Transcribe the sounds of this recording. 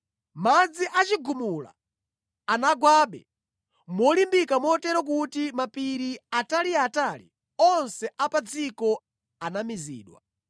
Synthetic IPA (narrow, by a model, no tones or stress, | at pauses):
mad͡ziʔat͡ʃiɡumula̰ | anaɡwaːɓɛ̰ | mɔlimbikamɔtɛɾɔk̬utimapiɾiataliatalḭ | ɔnsɛapad͡zikɔ | anamizḭːɗwa̰